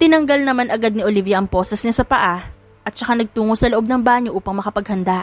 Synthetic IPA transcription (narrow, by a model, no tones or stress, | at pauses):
t̪ɪnɐŋɡɐlnɐmanʔɐɡad̪̚nɪʔolivjɐʔɐŋpoːsɛsɲɐsɐpɐʔa | ʔɐt̪̚t͡ʃɐkanɐɡ̚t̪uːŋosɐloʔob̚nɐŋbaːɲoʔuːpɐŋmɐkɐpɐɡ̚hɐnd̪a